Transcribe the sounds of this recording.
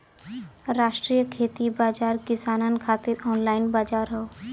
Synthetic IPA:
ɾaʃʈɾijəkʰet̪ibad͡ʒaɾkisanankʰat̪iɾɔnlainbad͡ʒaɾɦɔo

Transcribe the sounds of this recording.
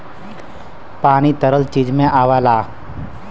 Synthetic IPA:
paːnit̪əɾəlt͡ʃiːd͡ʒmẽʔaːʋaːlaː

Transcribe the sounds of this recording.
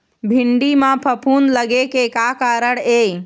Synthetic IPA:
bʱiɳɖimãpʰəpʰunləɡekekakaɾəɽej

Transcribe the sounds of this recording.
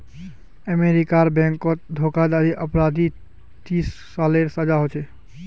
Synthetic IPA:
əmeɾikaɾbɛ̃ŋkɔt̪̚d̪ʱokad̪aɾiʔəpɾad̪i | t̪isːaleɾsəd͡ʒaɦot͡ʃʰɛ

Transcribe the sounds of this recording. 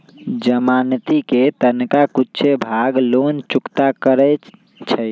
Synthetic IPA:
d͡ʒəmant̪iket̪ənkakut͡ʃʰebʱaɡlont͡ʃukt̪akəɾə | t͡ʃʰə

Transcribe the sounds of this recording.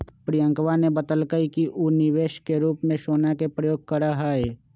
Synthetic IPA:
pɾijə̃ŋkʋanebət̪əlkəikiʔunɪʋeːʃkeɾuːpmẽʃoːnakepɾəjoːɡ̚kəɾaɦaeː

